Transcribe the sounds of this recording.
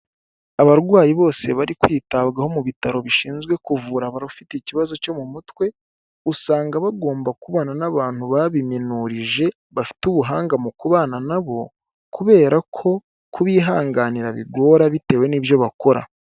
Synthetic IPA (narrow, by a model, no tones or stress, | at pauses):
aβaɾɡwaːjiβo̞ːse̞βaɾikwiːtaβɡaho̞muβitaɾo̞βiʃiːnzɡwe̞kuvuɾaβaɾufiticiβazo̞co̞mumutwe̞ | usaːŋɡaβaɡo̞ːmbakuβonanaβaːn̥huβaβiminuɾiʒe̞ | βafi̥tuβuɦaːŋɡamukuβaːnanaβo̞ | kuβe̞ːɾakʰo̞ | kuβiːɦaːŋɡaːniɾaβḭɡwo̞ːɾaβite̞ːwe̞niːβjo̞βako̞ɾa̰